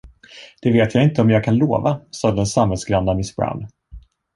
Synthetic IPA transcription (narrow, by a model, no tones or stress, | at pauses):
d̪̥ɛveːt̪ʰjaɪnt̪əɔmjɑːɡ̚kʰanloːvasɑːd̪əd̪ɛnsamhɛlsɡɾanːamɪsbɾa̰ʊn